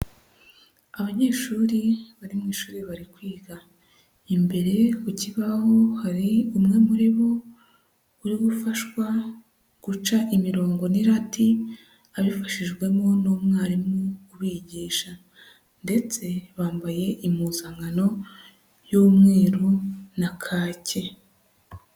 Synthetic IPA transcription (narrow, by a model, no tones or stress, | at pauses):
aβaɲe̞ːʃuːɾiβaɾimŋiːʃuːɾiβaɾikwiːɡa | imbe̞ɾe̞kuciβaho̞haɾiumŋe̞muɾiβo | uɾiɡufaʃwa | ɡ̥ut͡ʃaʔimiɾo̞ːŋɡo̞niɾati | aβifaʃiʒɡwe̞mo̞noːmŋaːɾimŋukuβiɟiːʃa | nde̞t͡se̞βaːmbaje̞ʔimuzaŋɡano̞ | joːmŋe̞ːɾonakʰaːce̞